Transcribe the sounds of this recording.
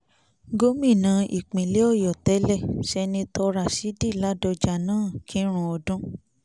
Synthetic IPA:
ɡo˦mĩ˦˨nã˨˧ʔḭ˨k͡pĩ˨lɛ˨˦ɔ˦˨jɔ˨tɛ˨˦lɛ˦˨ʃɛ˧nĩ˧tɔ˧ɾa˨si˨˦di˦˨la˦dɔ˧d͡ʒa˨nãː˦˨kʰĩ˦ɾ̃ũ˧˦ɔ˧dũ˦

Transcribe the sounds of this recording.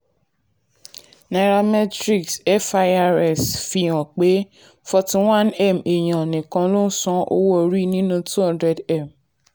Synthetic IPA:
na˨ɾa˧mɛ˦tɾi˨ksɛ˦fa˧a˧ɾɛ˨sfi˧j̃ã˨k͡pe˨˦ | fɔ˧tĩ˧wã˦nɛ˦˨me˨j̃ã˨nĩ˨kã˧lo˦n̩˦sɔ̃˧o̰˦wo˦o˧ɾi˦nĩ˦nũ˧tu˦hã˦ndɾɛ˧dɛ˦˨m

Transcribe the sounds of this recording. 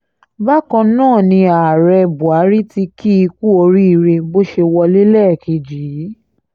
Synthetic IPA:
ba˦kɔ̃˧nãː˦˨nĩ˧a˨ɾɛ˧bu˨a˨˦ɾi˦ti˧ki˦i˧ku˦o˧ɾi˦i˧ɾe˧bo˦ʃe˧wɔ˧li˦lɛ˦˨ki˧d͡ʒi˨˦

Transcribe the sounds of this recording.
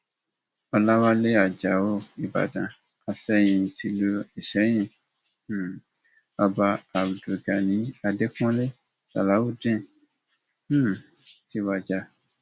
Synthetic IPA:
ɔ˧la˦wa˦le˦a˨d͡ʒa˨o˦˨i˨ba̰˨dã˨ | a˨sɛ˦j̃ĩ˨ti˧lo˧˦e˨sɛ˨˦j̃ĩ˧˨˦ | a˧ba˧a˨bu˨do˨ɡa˨nĩ˨˦a˧de˦kɔ̃˦le˦ | a̰˨la˨˦wo˦˨dẽ˦˨˦ | ti˧wa˧d͡ʒa˧˨

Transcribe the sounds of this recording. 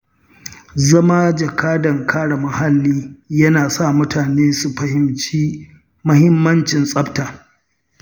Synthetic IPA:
zɐ˦maː˦d͡ʒɐ˨kʰaː˦dɐ˨ŋkʰaː˦ɽa˨mɐ˨ha˦lːiː˦jɐ˦naː˨sa˦˨mʊ˦tʰaː˨neː˦su˨ɸɐ˨hɪ˨mt͡ʃiː˦ | mɐ˦hɪ˦mːɐ˦nt͡ʃɪ˨nsʼɐ˦btaː˨

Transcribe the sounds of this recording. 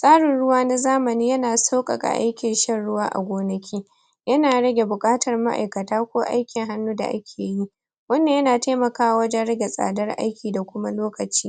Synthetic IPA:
sʼaː˦ɽɪ˨nɽʊ˦waː˦na˦zaː˦mɐ˨niː˦jɐ˦naː˨sa˦wkʼɐ̰˨ɡa̰˨ʔa̰˦jkʲɪ˨nʃɐ˦nɽʊ˦waː˦ʔa̰˨ɡʷoː˦nɐ˦kʲʰiː˦ | jɐ˦naː˨ɽɐ˦ɡʲe˨bʊ˨kʼaː˦tʰɐ˨rma̰˦ʔa̰˨jkɐ˨taː˦kʷoː˦ʔa̰˦jkʲɪ˨ŋɦa˦nːuː˦da̰˨ʔa̰˦kʲʰeː˨ji˦ | wɐ˦nːe˨jɐ˦naː˨taː˦mɐ˨kaː˦wa˨wɐ˦d͡ʒɛ˦nɽɐ˦ɡʲe˨sʼa̰ː˨dɐ˦rʔa̰˦jkʲiː˨da˨kʷʊ˦ma˦loː˦kɐ˨t͡ʃiː˦

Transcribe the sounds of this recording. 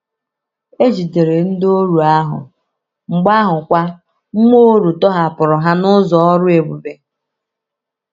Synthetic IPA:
e˦d͡ʒi˨te˨ɾe˨n̩˦do˦ɾu˨a˦ɦʊ̰˨ | ŋ͡m̩˨ɡ͡ba˦ɦʊ˨kʷa˦ | ŋ͡m̩˦mo˦ɾu˨tɔ˦ɦa˨pʊ˨ɾʊ˨ɦa˦nʊ˦zɔ˨ɔ˦ɾʊ˦e˨bu˨be˨

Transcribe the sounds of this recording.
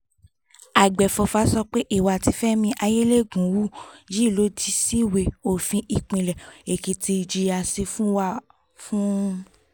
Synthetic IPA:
a˨ɡ͡bɛ˨fɔ˧fa˨˦sɔ˧k͡pe˦ʔi˦˨wa˨ti˧˦fɛ˦mĩ˧ʔa˧je˦le˦˨ɡũ˨˦wu˦d͡ʒi˦˨lo˨˦di˦si˦˨we˧o˦˨fĩ˧ʔi˨k͡pĩ˧˨lɛ˨e˨ki˨ti˧˨d͡ʒi˧a˧se˧fũ˦wa˦˨ | fũ˦

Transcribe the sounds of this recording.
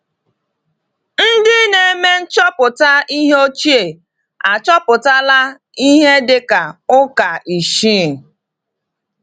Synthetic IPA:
n̩˦dɪ˦ne˨e˦me˦n̩˦t͡ʃɔ˦pʊ˨ta˦i˦ɦe˦o˦t͡ʃi˦e˨ | a˨t͡ʃɔ˦pʊ˨ta˦la˦ | i˦ɦe˦dɪ˦ka˨ʊ˦ka˨ʔi˨ʃi˦˨

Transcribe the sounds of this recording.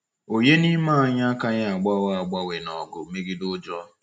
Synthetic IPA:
o˨ɲe˦ni˦ma˦˨a˦ɲa˦a˦ka˦ɲa˦a˨ɡ͡ba˦wa˦a˨ɡ͡ba˦we˨nɔ˨ɡʊ˨me˦ɡɪ˦dʊ˦d͡ʒɔ˦

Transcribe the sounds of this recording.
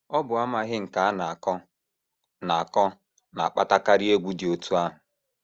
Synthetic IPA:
ɔ˦bʊ˨a˦ma˨ɦɪ˦ŋ̩˨ka˨a˦na˨a˨kɔ˦ | na˨a˨kɔ˦ | na̰˨a˨k͡pa̰˦ta˦ka˦ɾɪ˦e˦ɡʷu˦di˨o˨tu˦a˦ɦʊ˨

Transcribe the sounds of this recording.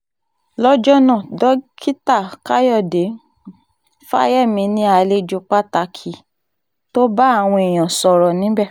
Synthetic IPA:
lɔ˦d͡ʒɔ˦nã˦˨dɔ˨˦kʰi˦ta˦˨ka˦jɔ˦˨de˨˦ | fa̰˦jɛ˦˨mĩ˧˦nĩ˦a˧le˧˦d͡ʒu˧k͡pa˦ta˧kʰi˨˦ | to˦ba˦a˦˨w̃ɔ̃˧i˨j̃ã˨sɔ˨ɾɔ˨nĩ˨˦bɛ˦˨

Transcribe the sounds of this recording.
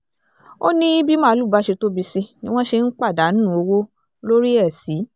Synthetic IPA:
o˦nĩ˦bi˦mã˦lu˦˨ba˨˦ʃe˧to˦bi˧si˧nĩ˦w̃ɔ̃˦ʃe˧n̩˦k͡pa˦˨da˨˦n˦ũ˦o˧wo˦ | lo˦ɾi˦ɛ˦˨si˨˦

